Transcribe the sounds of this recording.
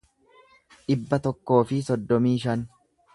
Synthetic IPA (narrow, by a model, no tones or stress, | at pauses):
ᶑɪbːɐt̪ɔkːo̞ːfɪsɔd̪ːɔmiːʃɐn